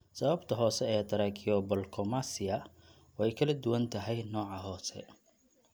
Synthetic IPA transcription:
sɐβɐbt̪ʰɐɦɔːsɛɛːd̪ɐɾɛkʰɪɔbɔlkʰɔmasɪɐ | wɛjkʰɐlɐd̪ʊwɐnt̪ʰɐɦɛjnɔːʕɑɦɔːsɛ̰

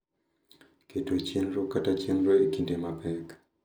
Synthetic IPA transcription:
ketot͡ʃenɾokatat͡ʃenɾoekindemapɛk

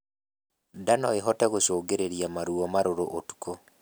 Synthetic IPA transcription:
danɔeɦɔtɛɣosoːɡeɾeɾiamaɾuɔmaɾoɾoʔotu̥ko

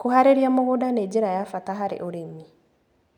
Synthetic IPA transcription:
kohaɾeɾiamoɣodaneːɟeɾajafataɦaɾḛʔoɾemi

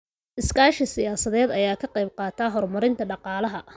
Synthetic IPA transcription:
ʔɪskaːʃɐsɪjaːsɐðɛːd̪ɐjaːkʰɐqejb̚qɑːt̪ʰaːɦɔrmɐɾɪnt̪ʰɐɖɑqɑːlɐɦɐ

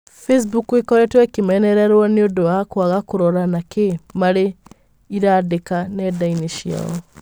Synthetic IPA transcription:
fes̬bukwekɔɾɛtwɛkimɛnɛɾɛɾwɔniodoakwaɣakuɾɔɾanakemaɾe | iɾadekanɛdainiʃia̰ɔ

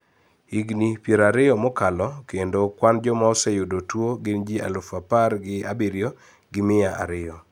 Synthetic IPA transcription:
iɡnipjeɾaɾɪjɔmɔkalɔkendokwand͡ʒɔmaɔsɛjodotwoɡɪnd͡ʒia̰lʊfaparɡɪa̰biɾjo | ɡɪmɪaʔa̰ɾɪɔ

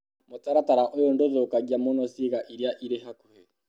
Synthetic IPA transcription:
motaɾataɾaʔojondoðokaɣjamonɔsiɣaʔiɾjaʔiɾeɦakohe

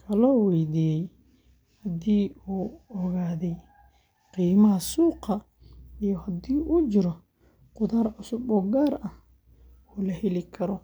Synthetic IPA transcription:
kʰɐlɔːwɛjd̪iːjɛj | hɐd̪iːuːɔɣaːðɛj | qiːmɐɦɐsuːqɑ | ijɔhɐd̪iːʔut͡ʃɪɾɔ | qʊðaːrʕʊsʊbɔːɡaːɾɐh | uːlɐhɛlɪkʰɐɾɔ

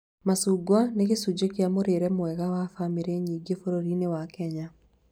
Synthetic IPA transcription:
masuɡwaneɣesud͡ʒekeamoɾeɾɛmwɛɣawafameɾeɲiːɡefoɾoɾinewakɛɲa

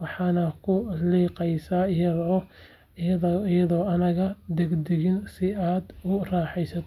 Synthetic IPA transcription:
wɑħɑːnɐkʰʊliːqɛjsaːɪjɐðː | jɐðɔːɐnɐɣɐd̪ɛɡd̪ɛɣɪnsɪaːd̪ʊraːħɛjsɐt̪ʰ

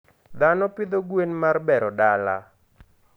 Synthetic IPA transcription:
d̪anɔpid̪oɡwenmarbɛɾɔdala̰

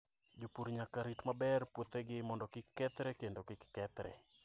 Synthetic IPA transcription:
d͡ʒopuɾɲakaɾitmabɛrpwot̪eɡɪmɔndɔkɪkːɛt̪ɾɛkendokɪkːɛt̪ɾɛ̰

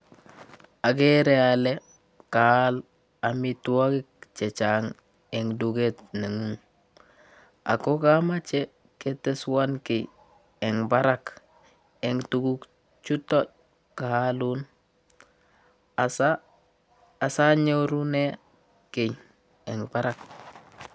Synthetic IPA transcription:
aɡeɾeale | kahal | amituwaɡik̚t͡ʃet͡ʃaŋ | eŋduɡetneŋuŋ | a̰kokamat͡ʃe | keteswankej | eŋbaɾak | eŋtuɡuk | t͡ʃuto | kahalun | asaː | saɲoɾune | kej | eŋbaɾak

